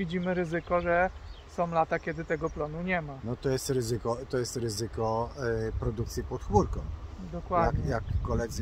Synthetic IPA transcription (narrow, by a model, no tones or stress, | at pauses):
vʲid͡ʑimɘɾɘzɘkɔʐɛsɔ̃w̃lat̪akʲɛd̪ɘt̪ɛɡɔplɔnuɲɛmanɔt̪ɔjɛst̪ɾɘzɘkɔt̪ɔjɛst̪ɾɘzɘkɔpɾɔd̪uk̚t̪sʲjipɔt̪xmuɾkɔ̃w̃d̪ɔkwad̪jakjakːɔlɛd̪zɘ